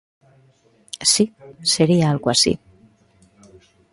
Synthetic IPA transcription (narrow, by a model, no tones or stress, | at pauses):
siseɾiaalɣwasḭ